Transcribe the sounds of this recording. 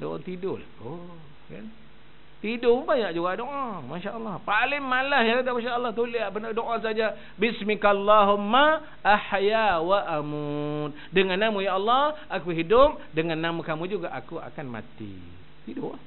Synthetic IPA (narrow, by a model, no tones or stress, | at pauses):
do̰ʔa̰t̪idʊlaku | ka̰n | t̪idʊbaɲaʔd͡ʒuɡaʔdoʔamaʃaʔəlˤːɑhpalɪŋmalahjãŋkat̪amanʃaʔəlːɑht̪uliaʔpənadoʔas̬ad͡ʒa | bɪsmikalːaɦʊmːa | ʔaħajawaʔamut̪̚dəŋanːamũjaʔɑlˤːɑʔakuɦidʊm̚ | dəŋanːamukamũd͡ʒuɡaʔakua̰kanma̰t̪ḭ | t̪idʊa